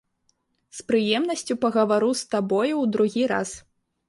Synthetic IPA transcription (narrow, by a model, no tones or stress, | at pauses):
spɾɨjɛmnɐsʲt͡sʲupɐɣɐvaɾust̪abɔjuwd̪ɾuɣʲiɾa̰s